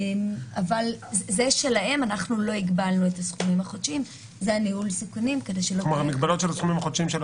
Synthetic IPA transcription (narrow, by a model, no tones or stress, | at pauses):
emavalzeʃe̞lahe̞manaχnulo̞iɡbalnuetasχumimhaχodʃim | zeaniulsikunimke̞de̞jʃelomaʁmikbalo̞t̪ʃelasχumimaχodʃimʃel